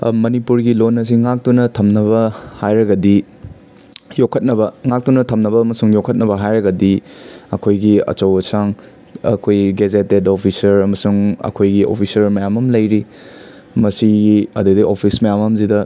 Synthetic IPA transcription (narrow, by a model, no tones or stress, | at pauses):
mɐnipuɾɡilonːɐs̬iŋak̚tunɐtʰɐmnɐβɐhajɾɐɡɐdi | jokʰːɐt̚nɐbɐŋak̚tunɐtʰɐmnɐbɐːmɐsuŋjokʰɐt̚nɐbɐɦajɾɐɡɐdiɐkʰojɡiɐ̰t͡ʃɐwɐsaŋ | ɐ̰kʰojɡezetedopʰisɐɾɐmɐsuŋɐ̰kʰojɡiʔo̰pʰisɐɾmɐjamɐmlɐjɾi | mɐsiɐdudiʔopʰismɐjamɐmzidɐ